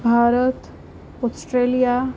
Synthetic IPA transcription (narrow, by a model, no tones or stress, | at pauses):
bʱaɾət̪ | ɔsʈɾelija